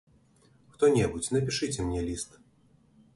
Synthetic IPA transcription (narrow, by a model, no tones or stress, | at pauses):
xt̪ɔnʲɛbut͡sʲnɐpʲiʂɨt͡sʲɛmnʲɛlʲist̪